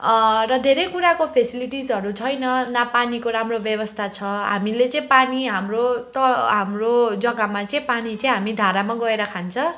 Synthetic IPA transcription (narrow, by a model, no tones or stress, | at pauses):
rʌd̪ʱeɾʌjkuɾakopʰesiliʈisʌɾut͡sʰʌjnʌnapanikoɾamrobjʌbʌst̪ʰat͡sʰʌɦa̰milet͡sʌ̃ĩpaniɦamrot̪ʌɦamrod͡zʌɡamat͡sʌĩpanit͡sʌ̃ĩɦamid̪ʱaɾamaɡʌeɾʌkʰant͡sʰʌ̃